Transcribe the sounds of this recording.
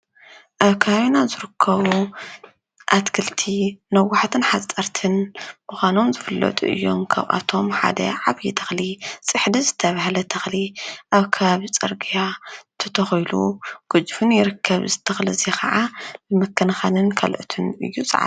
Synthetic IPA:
ʔaβkʰɐβaβinazɨɾɨkʰːɐβu | ʔat̪kʰɨlt̪ʰinɐwaħat̪ʰɨnħat͡sʼːɐɾt̪ʰɨnmɨxʷano̞mzɨfɨlːɐ̰t̪ʼṵʔɨ̰jːo̞mkʰa̰βʔa̰t̪ʰo̞mħa̰d̪ɐ̰ʕaβjit̪ʰɐ̥xlisʼɨħd̪izɨt̪ʰːɐβahlɐt̪ʰɐxliʔaβkʰɐβaβit͡sʼɐɾɡijat̪ʰɐt̪ʰɐxjlṵɡ̥ɨd͡ʒfɨnjɪɾɨkʰːɐβzɨt̪ʰɐxlizexɐʕalɨmɐkʰːɐnɐxanɨnkʰɐ̰lʕṵt̪ʰɨnɨ̰jːut͡sʼɐ̰ʕa̰

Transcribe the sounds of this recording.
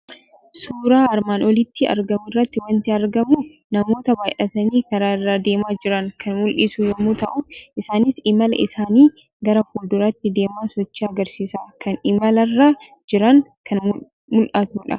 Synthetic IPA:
suːɾaːɐɾmaːnɔlɪt̪ːɪɐ̰ɾɡɐmɪrːɐt̪ːɪwɐnt̪ɪɐɾɡɐmuː | nɐmo̞ːt̪ɐbaːjʔɐt̪ɐniːkɐɾaːɪrːaːd̪e̞ːmaːd͡ʒɪɾɐŋkʰɐnmʊlʔɪsujɐmːut̪ɐʔʊʔɪsaːnɪsɪmɐlɐ̰ʔɪsaːniː | ɡɐɾɐhuːld̪ʊɾɐt̪ːɪd̪e̞ːmaːsɔt͡ʃːiɐɡɐɾsiːsaːkɐnɪmɐlɐrːaː | d͡ʒɪɾɐŋkɐn | mʊlʔɐt̪uːᶑɐ̰

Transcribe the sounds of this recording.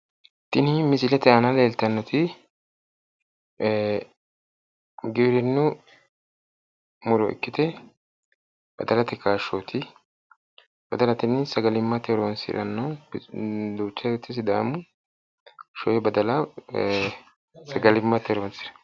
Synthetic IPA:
t̪ːɪnɪmɪsɪlɛt̪ɛɐnɐleːlt̪ɐnːɔt̪ɪ | ɡɪɾɪnːʊ | mʊɾɔ̰ʔɪ̰kːɪt̪ɛ | b̥ɐ̰d̪ɐlɐt̪ɪkaːʃːoːt̪ʰɪ | bɐd̪ɐlɐt̪ɪnːɪsɐɡɐlɪmːɐt̪ɛɾoːnsɪ̰ɾɐnːɐ | d̪uːt͡ʃːɐɔt̪ːɪs̬ɪd̪a̰ːmʊ | ʃɔjɛbɐd̪ɐlɐ | sɐɡɐlɪmːɐt̪ɛɾoːnsɪɾɐ̥

